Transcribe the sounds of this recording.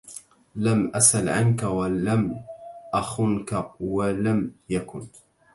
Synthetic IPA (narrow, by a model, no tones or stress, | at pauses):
lamʔasʔalʕankawalamʔaxʊnkawalamjakʊn